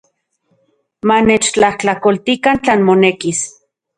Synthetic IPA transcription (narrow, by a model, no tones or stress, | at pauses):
manet͡ʃt͡ɬaht͡ɬakolt̪ikant͡ɬaːnmonekis